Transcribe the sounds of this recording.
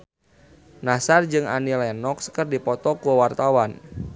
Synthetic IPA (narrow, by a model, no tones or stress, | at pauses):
nasard͡ʒɨŋa̰nilɛnɔkskərdipɔt̪ɔkuwart̪awan